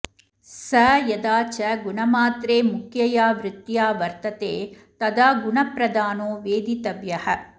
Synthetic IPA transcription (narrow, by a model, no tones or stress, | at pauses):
sɐjɐd̪aːt͡ʃɐɡunɐmaːt̪ɾeːmukʰjɐjaːʋɾɪt̪jaːʋɐɾt̪ɐt̪eː | t̪ɐd̪aːɡuɳɐpɾɐd̪aːnoːʋeːd̪it̪ɐbjɐhɐ